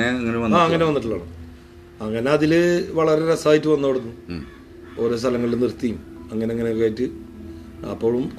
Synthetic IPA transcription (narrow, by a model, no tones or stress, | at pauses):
eɐŋːɐneʋɐnːaːɐŋŋːɐneʋɐnːiʈ̬ːuɭːa̰ːɳɨ | ɐŋːɐne̞ɐðilʋɐɭɐɾeɾɐsaːjitːɨʋɐnːoɽunːu | o̞ːɾo̞ːst̪ʰɐlɐŋːɐɭilunirt̪ːijumɐŋːɐne̞eŋːɐnekːaːjitːɨ | ɐ̰pːoːɭumk